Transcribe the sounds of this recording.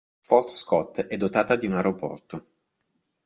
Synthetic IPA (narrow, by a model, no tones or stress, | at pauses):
fɔlt̪skɔt̪ːɛd̪ːot̪aːt̪ad̪iunaɾopɔ̰rt̪o